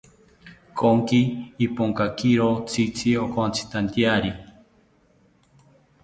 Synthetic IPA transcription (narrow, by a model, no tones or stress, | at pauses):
kʰoŋkiːpoŋkakiɾot͡sʰit͡sʰiokʰont͡sʰi̥t̪ant̪jaɾi